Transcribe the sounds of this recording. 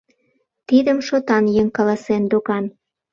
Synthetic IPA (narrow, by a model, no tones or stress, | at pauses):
t̪id̪əmʃot̪ɑnjeŋkɑlɑsend̪oɣɑn